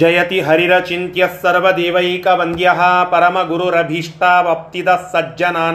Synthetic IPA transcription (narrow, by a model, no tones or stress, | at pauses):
d͡ʒɐjɐt̪iɦɐɾiɾɐt͡ʃint̪jɐsːɐɾʋɐd̪eːʋɐjikɐʋɐŋd̪jɐɦɐ̆pɐɾɐmɐɡuɾuɾɐbʱiʂʈaːʋɐp̚t̪id̪ɐsːɐd͡ʒjɐnaːn